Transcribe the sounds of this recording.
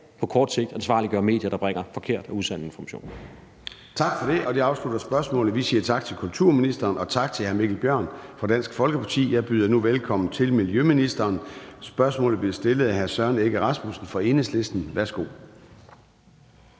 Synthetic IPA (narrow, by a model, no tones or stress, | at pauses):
pʰɒ̽kʰɒːd̥se̝ɡ̥̚d̥ænsʋɑ̈ːliɡ̥ɶɐme̝̰ːd̥jɐɾ̥ɑ̈b̥ʁɛŋ̰ɐfɒ̽kʰe̝ɐ̰d̥ɒ̽uðˠsæn̰ð̩ˠe̝nfɒmæɕo̝̰ːn | t͡sʰɑ̈ɡ̥fɒ̽ɾe̝ʔɒ̽d̥iɑ̈ʊslud̥ɐsb̥ɶɐsmɔ̰̽ːlð̩ˠʋisiːɐt͡sʰɑ̈ɡ̥̚t͡sʰe̝lkʰult͡sʰuɐ̰minisd̥ɐːnɒ̽t͡sʰɑ̈ɡ̥̚t͡sʰe̝lhæɐmeɡ̥l̩b̥jɶɐ̰nfʁɒd̥æn̰sɡ̥fɒ̽lɡ̥əpʰɑ̈t͡sʰḭːjɑ̈ɪb̥yːð̞ˠɐnuʋelkʰɒ̽m̰n̩t͡sʰe̝lmiljøminisd̥ɐːnsb̥ɶɐsmɔ̰̽ːlð̩ˠb̥le̝sd̥e̝ləð̩ˠæhæɐsɶɐneɡ̥əʁɑ̈smusn̩fɒ̽e̝nəsle̝sd̥n̩ʋæɐsɡ̥o̝̰ː